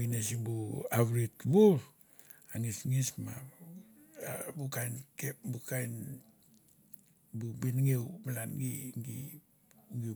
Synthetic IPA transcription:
inesibuaβɾitbuɾ | aŋisŋisma | bukainkep̚bukajn | bubinŋewmalanɡiŋɡi | uŋi

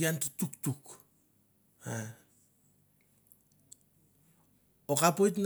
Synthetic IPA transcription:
jantutuktuk | a | okapojtn

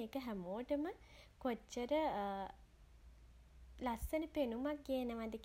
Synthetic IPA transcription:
eːkəɦæmoːʈəmə | kot͡ʃːəɾə | lasːənəpenumak̚ɡeːnəʋad̪ək

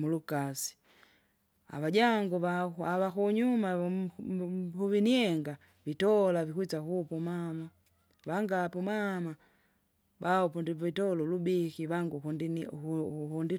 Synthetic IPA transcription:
mulukasi̥ | a̰βaɟaŋɡuβauaβakuɲuma | huviniɛŋɡa | vitɔlavikwit͡ʃakupumama | βaŋɡapumama | baɔpundiitɔlulubikiβaŋɡukundin | hundi

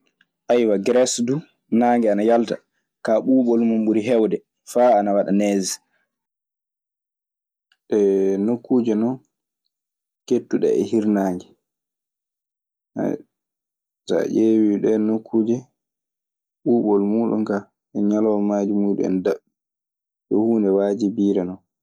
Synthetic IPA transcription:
ʔajwaɡɾɛsdu | naːŋɡɛanajalta̰ | kaɓuːɓɔlmumɓuɾiɦɛwdɛ | faːnawaɗa̰nɛzi | ɗɛnokːuːd͡ʒɛnɔ | ketːuɗɛ̰ɛ̰hiɾnaːŋɡɛ | a̰ | sa̰ʔewiɗɛnokʰːuːd͡ʒɛ | ɓuːɓɔlmuːɗṵnka | ɛɲalɔwmaːd͡ʒimuɗṵɛ̰ndaɓ | ɗɔhuːndɛwad͡ʒibiːɾɛnɔ

